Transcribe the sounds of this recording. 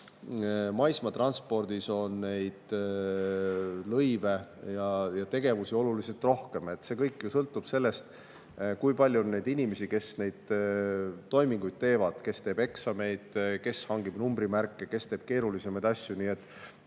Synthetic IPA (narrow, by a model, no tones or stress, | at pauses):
mɑjsmɑt̪rɑnspo̞rd̪̥iso̞nːe̞jd̪̥ | lɤjve̞jɑjɑt̪e̞ɡ̥e̞vusio̞lulise̞lt̪ˑro̞hke̞me̞t̪ːse̞ːkɤjkːˑjusɤlt̪ːˑub̥se̞lːe̞st̪ | kujpɑlʲjuonːe̞jd̪̥inʲime̞sike̞sne̞jd̪̥̚ | t̪ːo̞jmiŋɡ̥ujd̪̥̚t̪e̞ːvɑd̪̥ke̞st̪e̞ːb̥e̞ksɑme̞jd̪̥ke̞shɑŋɡib̥numbɾimærkːˑeke̞st̪e̞ːb̥ke̞ːɾulise̞mɑjd̪ɑsʲjuniːe̞t̪ːˑ